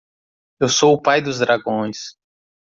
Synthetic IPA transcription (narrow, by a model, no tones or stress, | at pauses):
ewsowʊpajd̪ʊzd̪ɾaɡõj̃s